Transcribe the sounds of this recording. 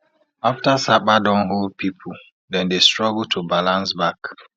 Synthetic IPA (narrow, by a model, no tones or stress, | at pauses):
aftasak͡padɔ̃nɦold̚pʰipʰu | dɛ̃ndestɹɔɡl̩tʰubalãnsbak